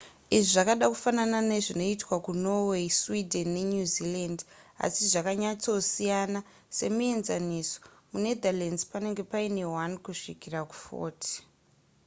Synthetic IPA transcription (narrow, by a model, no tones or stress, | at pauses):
iʐiʐakaɗaku̥fananane̞ʐino̞itwakuno̞weswidʱenːe̞ɲuziland | a̰siʐakaɲat͡so̞sijana | se̞mie̞nzaniso̥mune̞d̪ʱalenzpane̞ŋɡe̞paine̞ɦwankuʂikiraku̥fo̰ːti̥